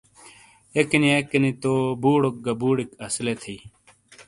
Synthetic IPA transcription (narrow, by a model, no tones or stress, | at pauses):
ekiniekːinit̪obuːɽok̚ɡɐbuːɽikɐslet̪ʰiː